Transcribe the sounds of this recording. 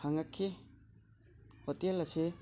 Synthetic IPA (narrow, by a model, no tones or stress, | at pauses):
haŋakʰːi | hotelɐse